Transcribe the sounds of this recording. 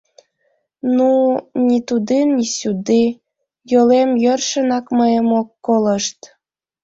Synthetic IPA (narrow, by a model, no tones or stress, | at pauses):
nunʲit̪ud̪ennʲisud̪e | jolemjørʃə̆nɑkməjəmokːoləʃt̪